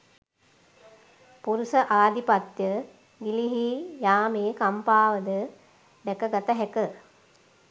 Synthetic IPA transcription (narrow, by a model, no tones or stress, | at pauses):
puɾusəʔaːd̪ipat̪jə | ɡiliɦijaːmeːkampaːʋəd̪ə | ɖɛkəɡat̪əɦɛkə